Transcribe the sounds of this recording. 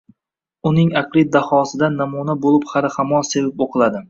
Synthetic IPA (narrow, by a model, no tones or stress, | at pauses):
ʊnɪŋaqlɪd̪ahɒsɪd̪anːamunabolˠɪphaɾɪhamɒnse̞vɪpoqʰɨlˠad̪ɪ